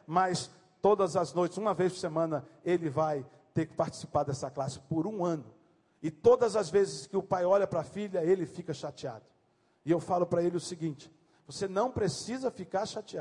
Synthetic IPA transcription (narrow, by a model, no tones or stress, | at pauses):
mɐs | t̪od̪ɐzɐznojt͡ʃɪzũmɐvejsʊ̥semɐ̃nɐelɪvaj | t̪eɾkɪ̥paɾt͡ʃɪ̥si̥paɾd̪ɛsɐklasɪ̥poɾũɐ̃nʊ | ɪt̪od̪ɐzɐzvezɪskɪʊpajɔʎɐpɾɐfilɐelɪfikɐʃat͡ʃia̰d̪ʊ | ɪewfalʊpɾɐelɪʊsiɡĩnt͡ʃɪ̥ | vosenɐ̃w̃pɾesizɐfikaɾʃat͡ʃia